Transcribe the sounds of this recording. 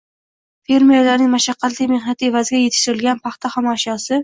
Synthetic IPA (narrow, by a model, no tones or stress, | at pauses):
fe̞ɾme̞ɾlaɾnɪŋmaʃaqʰːɑt̪lɪkʲme̞hnat̪ʰɪe̞vazɪɡʲaje̞t̪ʰɪ̥ʃt̪ɪɾɪlɡʲanpʰɑχt̪ʰaχɒmɒʃɒsɪ